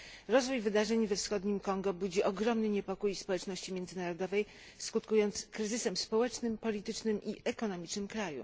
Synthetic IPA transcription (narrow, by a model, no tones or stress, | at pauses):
ɾɔzvujvɘd̪aʐɛɲvɛfsxɔd̪ɲimkɔŋɡɔbud͡ʑiʔɔɡɾɔmnɘɲɛpɔkujspɔwɛt͡ʂnɔɕt͡ɕimʲjɛnd̪zɘnaɾɔd̪ɔvɛj | skut̪kujɔnt̪skɾɘzɘsɛmspɔwɛt͡ʂnɘmpɔlʲit̪ɘt͡ʂnɘmʔiʔɛkɔnɔmʲit͡ʂnɘmkɾajṵ